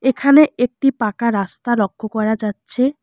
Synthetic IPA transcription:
ekʰaneek̚ʈipakaɾast̪alɔkʰːokɔɾad͡ʑatːɕʰe

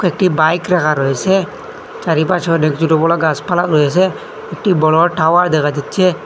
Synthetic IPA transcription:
kek̚ʈibajkɾɛkʰaɾɔɛsɛ | t͡ʃaɾipat͡ʃʰɔnekd͡ʒuʈɔbɔlaɡaspalaʔɾɔjɛsɛ | ek̚ʈibɔlɔʈawaɾd̪ɛkad̪it̪̚t͡ʃʰe

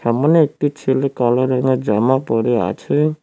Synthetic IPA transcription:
samɔnɔek̚ʈit͡ʃʰilekɔlɔɾɔŋɡɔd͡ʒamapɔɾea̰t͡ʃʰe

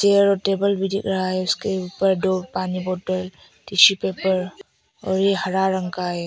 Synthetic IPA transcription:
seɾɔtebəlbidik̚ɾajskepəɾdɔɾpanibɔtəl | tisipepɐɾ | ɔ̰ɾihɐɾaɾaŋkaj

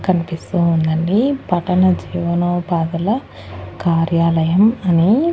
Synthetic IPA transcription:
kɐnipist̪uːnd̪ɐɳɖipɐʈɐnɐd͡ʒiːʋɐnoːpaːd̪ɐlɐ | kaːɾjaːlɐjɐmɐni

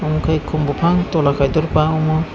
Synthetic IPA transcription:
ɔmkʰajkʰumbɔpʰaŋt̪ɔlakʰajd̪ɔɾpaɔmɔ

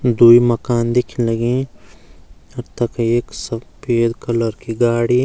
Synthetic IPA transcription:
d̪uːimɐkaːnd̪eːkʰinlɐɡẽ | ɐɾt̪ɐkeːksɐpeːd̪kɐləɾkiɡaːɽi

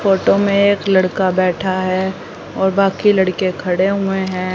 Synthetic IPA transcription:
foːʈomẽeːklɐɽkabɛːʈʰaɦɛ | ɔːɾbaːkilɐɽkekʰɐɽeɦʊeɦɛ̃ː

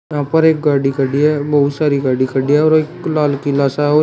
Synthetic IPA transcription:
jɐɦãːpɐɾeːk̚ɡaːɽikəɽiɦɛbɐɦʊt̪saːɾiɡaːɽikəɽiɦɛɔːɾeːklaːlkilaːsaɔː

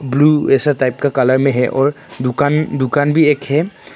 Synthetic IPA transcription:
bluɛsatajp̚kakalaɹmɛɦɛʔɔɹ | dukandukanbiɛkhɛ

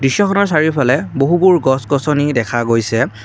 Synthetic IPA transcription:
disjɔkʰɔnɔɹsaɹiɹpʰalɛboɦubuɹɡɔsɡɔsɔnidɛkʰaɡojsɛ

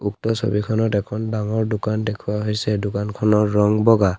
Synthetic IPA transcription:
uktɔso̰bikʰɔnɔtɛkʰɔndaŋɔɹdʊkandekʰuwaɦojsɛdʊkankʰɔnɔɹːɔŋbɔɡa

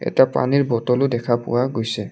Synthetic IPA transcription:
ɛ̰tiapa̰niɹbɔtɔlʊdɛkʰapʊ̰waɡojsɛ

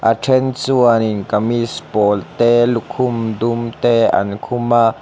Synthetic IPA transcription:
ʔaʈ͡ʂʰɛnt͡suaninkamispoːlt̪elukʰumd̪umt̪ea̰nkʰuma

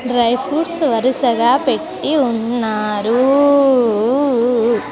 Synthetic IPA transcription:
ɖɾɐjfuːʈsʋɐɾɯsɐɣaːpeʈːiʊnːaːɾu

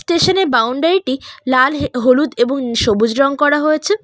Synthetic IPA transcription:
sʈeʃoneɾbawɳɖaɾiʈilalɦolut̪eboŋʃobud͡ʑɾɔŋkɔɾaɦojet͡ɕʰe

